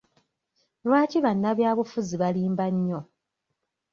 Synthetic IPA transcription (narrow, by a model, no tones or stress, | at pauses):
lwaːciβanːaβjaːβufuziβaliːmbaɲːo̞